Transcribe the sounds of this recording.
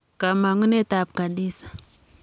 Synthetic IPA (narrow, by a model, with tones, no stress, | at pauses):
ka˨ma˨ŋu˦ne˦ta˨b̚ka˨ɗi˦sḁ˨